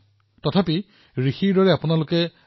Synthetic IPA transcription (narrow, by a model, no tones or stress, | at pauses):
tɔtʰapi | ɹixiɹdɔɹɛapʊnalʊkɛ